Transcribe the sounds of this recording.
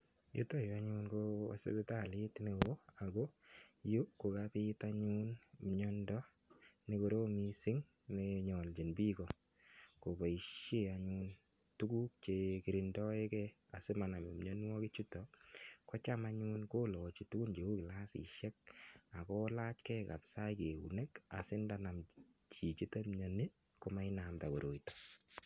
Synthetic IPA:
jo̰˦to˦jo˨a˦ɲu˦nko̰˦˨sḛ˦be˦ta˨lɪ˦tne˨o˦a˨ɡo˦ju˦ko˨kapɪ˦ta˦ɲu˦nmɲɔndɔ˦ | ne˨ko˨ɾo˦mi˦sɪ˦ŋ | ne˨ɲɔ˨ld͡ʒi˨nbi˦kɔ˨ | ko˨ba˨i˨ʃe˦a˨ɲu˧n | tu˦ku˦k̚t͡ʃe˨ki˨ɾi˨ndɔ˦e˦kɛ | a˨sɪ˦ma˨na˨me˨m˨ɲo˦n˦wɔ˦kɪ˦t͡ʃu˦tɔkɔ˦t͡ʃama˦ɲu˦nko˦lɔ˨t͡ʃi˨tu˦ku˦nt͡ʃe˨u˦kɪ˨la˦sḭ˨ʃɛ˦k̚a˨kɔ˦la˦t͡ʃkɛ˦ka̰˨psa˦jke˨ṵ˨ne˦ka̰˨sɪ˦nda˦na˨m | t͡ʃi˨t͡ʃi˦ta˦mɲɔ˨ni˦ | ko˦ma˦i˦na˨mta˨ko˨ɾʔo˨itɔ̥˨

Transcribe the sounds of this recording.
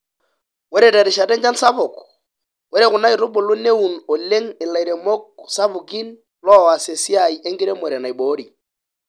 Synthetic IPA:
wɛ˦ɾɛ˨tɛ˨ɾi˨ʃa˨tɛ˦ɲd͡ʒa˦nsa˦βʊ˨kɔ | wɛ˦ɾɛ˦˨ɣʊ˨na˦i˨ɾʊ˦bʊ˨lʊ˦ne˦u˨nɔ˨le˦ŋɪ˨la˨i˨ɾɛ˨mɔ˦k̚sa˦βu˨ki˦n | lɔ˦˨wa˨se˨si˦a˨i˨ʔe˦ŋɡi˦ɾɛ˦mɛ˨ɾɛ˨na˨i˨ɓɔ˨˦ɾi˨

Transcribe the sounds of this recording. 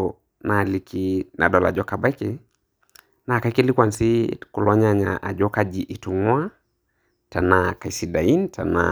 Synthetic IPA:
na˨likʰinʔa̰˨ɗɔ˨la̰˨d͡ʒɔ˦ka˨ba˦ki | na˨ka˨iki˦li˦kwa˨nsi˦ku˨lɔ˦ɲaɲa̰ʔa˨d͡ʒɔ˦ka˦d͡ʒiʔi˨tu˨ŋu˦a˦ | ta˨na˨ka˨isi˨da˨i˦ntʰa̰˨na̰

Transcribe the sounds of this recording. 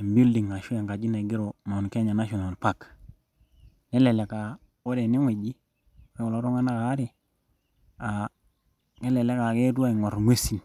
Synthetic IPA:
mbi˦ldi˨ŋa˨ʃu˦je˨ŋka˨d͡ʒi˦na˨ɡi˦ɾo˨ma˨nke˦ɲa˨na˦ʃo˨na˨lpa˦˨k | ne˦le˨le˨ka˨ | wo˦de˨ni˦ŋi˨d͡ʒi˦ | we˦ko˨lo˦ɾo˦ŋa˦na˦ka˨˦ɾi˨ | a˨ | ŋe˦le˨le˦ka˨ke˦tu˦a˦i˨ŋo˨ɾŋwe˦si˨n

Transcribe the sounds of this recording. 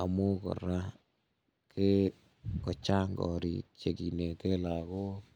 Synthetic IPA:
a˨mo˦kɔ̰˨ɾa˦ | ke˦ | kɔ˨t͡ʃa˦ŋɡɔ̰˨ɾḭ˨t͡ʃe˨ki˨ne˨ke˦la˨ko˦

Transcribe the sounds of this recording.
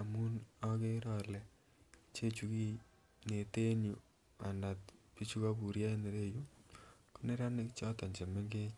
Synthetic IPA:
a˨mu˦nɔ˦ke˦ɾɔ˨lɛ˨ | t͡ʃe˦t͡ʃu˨ki˦ | ne˨te˦nju˨ | a˨na˨t̚pi˦t͡ʃu˦ka˦bu˨ɾja˦ne˨ɾe˦ju˦ | ko˦ne˦ɾa˦nɪ˦kt͡ʃɔ˦tɔ˨ɲd͡ʒe˨me˦ŋɡe˦

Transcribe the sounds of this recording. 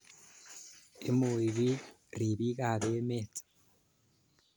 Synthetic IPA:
ḛ˨mu˨i˨βi˦ | ɾi˨βi˦ɣa˨βee˦me˦˨t͡sḁ˨

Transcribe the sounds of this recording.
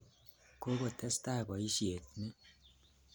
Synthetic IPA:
ko˦ko˨tɛ˦sta˦˨kɔ˨i˦ʃje˨t̚ni˦

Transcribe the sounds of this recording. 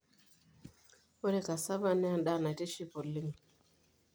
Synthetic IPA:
o˦ɾe˦ka˨sa˦βa˦˨nɛ˦a˦nɗa˦˨na˨te˦ʃi˦po˨li˦ŋ

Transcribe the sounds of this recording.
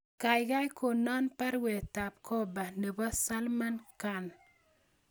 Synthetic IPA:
ka˨jɡa˦jko˨nɔ˦npa˦ɾwe˨ta˨p̚kʰo˦ba˨ne˨bɔ˦sa˦lma˦nka˨n

